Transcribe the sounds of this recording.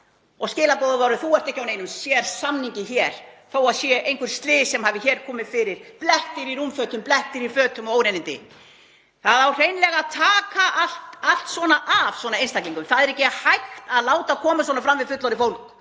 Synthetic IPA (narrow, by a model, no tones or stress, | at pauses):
ɔɣscɪːlapɔðavawɾɪθuwɛr̥t̪ɛhcːawnejnʏmsjɛɾsamniɲcɪçɛɾ̥θowaðsjɛʔejŋkʰʏɾ̥st̪lɪːsɛmhaːvɪçɛːɾ̥kʰɔːmɪðfɪɾɪɾ̥plɛht̪ɪɾiɾumfœːt̪ʏmplɛht̪ɪɾifœːt̪ʏmɔɣoːwɾenɪnt̪ɪ̰ | θaðawr̥eːjnlɛɣaðt̪ʰaːkaʔal̥t̪al̥t̪svɔnaʔav̥swɔːnaejnst̪akliŋkʏmθaðɛɾɛhcɪhajxt̪aðlaːwt̪akʰɔːmaswɔnafɾamvɪðfʏt̪lɔɾɪfowlk